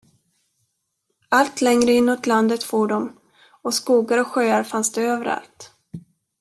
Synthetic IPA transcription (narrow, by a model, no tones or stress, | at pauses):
alt̪lɛŋɾəɪnːuːt̪land̪ət̪foːɖɔm | ɔskuːɡaɾɔɧøːaɾfansd̪ɛøːvəɾa̰lt̪